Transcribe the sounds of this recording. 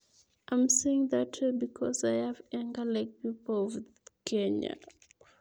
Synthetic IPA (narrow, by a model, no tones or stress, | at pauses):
ʔãɪ̃mseɪɪ̃ŋðatʰəbikʰɔsaɪhavɛ̃ŋɡəlaɪk̚pipəlɔv | kʰẽɲa̰